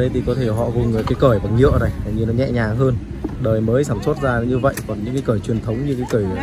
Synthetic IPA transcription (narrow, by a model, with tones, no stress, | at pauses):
ɗə˨˦jt̪ʰi˨˩kɔ˨˦t̪ʰe˧˩ɦɔ̰˧˨kʊ˨˩ŋ͡mkaː˨˦jkəː˧˩jvaː˨˩ɲḭ˧˨əna˨˩ja˨˩ɲɨ˧nɔ˨˦ɲɛ̰˧˨ɲaː˨˩ɦəː˧n | ɗəː˨˩jməː˨˦jsaː˧˩mso˦˥t̚zaː˧˨ɲɨ˧və̰˧˨jkɔ˨˩nɲɨ̰˧˥ŋkaː˨˦jkəː˧˩jt͡ɕwi˨˩ənt̪ʰə˨˦wŋ͡mɲɨ˧ka˨˦jkəː˧˩j